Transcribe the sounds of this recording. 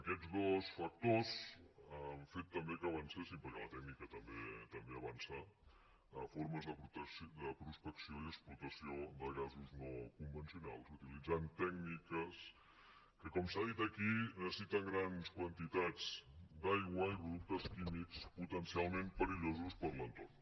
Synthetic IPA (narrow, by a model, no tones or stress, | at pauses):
əkɛd̪d͡zɣɔsfək̚t̪osəlfet̪ːəmbekəːβənsesimpəɾkɛlət̪ɛknikət̪əmbet̪əmbeəβansa | əfoɾməzðəpt̪əd̪əpɾuspəksioiəksplut̪əsiod̪əɣazuznokumbənsiunalˠzut̪ilid͡zant̪ɛknikəs | kəkɔmsaðit̪əkinəsəsit̪əŋɡɾanskwənt̪it̪ad͡zd̪ajɣwəipɾuðuk̚t̪əskimiksput̪ənsialˠmẽmpəɾiʎozuspəɾlənt̪orn